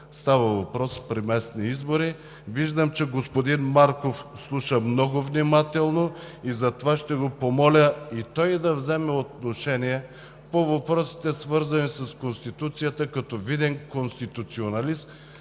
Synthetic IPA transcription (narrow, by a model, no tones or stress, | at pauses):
st̪avəvɐpɾɔspɾimɛsniizboɾi | viʒd̪əmt͡ʃɛɡospod̪inmaɾkofslˠuʃəmnɔɡovnimat̪ɛlˠnoizɐt̪ovaʃt̪ɛɡopomɔlʲəit̪ɔjd̪ɐvzɛmɛot̪̚noʃɛniɛ | povɐpɾɔsi̥t̪ɛsvɤɾzɐnisɐskonst̪it̪ut̪sijət̪əkɐt̪ɔvid̪ɛnkonst̪it̪ut̪sionɐlism